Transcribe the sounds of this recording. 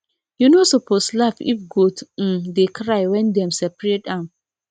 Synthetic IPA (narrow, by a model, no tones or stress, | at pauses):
junosɔpʰoslafḭfɡod̩dekɹaɪwɛ̃ndɛ̃msɛpɹetãn